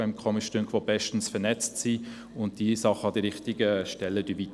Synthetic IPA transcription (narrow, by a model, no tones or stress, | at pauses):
ɪmkʰɔmiʃtøŋkʰʋob̥ɛʃtn̩sfɛnɛt͡stsi | ʊnt̚d̥iːsɑχəɑd̥iɾɪχtɪɡəʃtɛlːəd̥yːvit